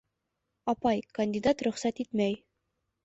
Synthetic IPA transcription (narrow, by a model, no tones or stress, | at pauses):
ɒpɑjkɐnʲdʲɪd̪at̪ɾɵ̆χsæt̪it̪mæj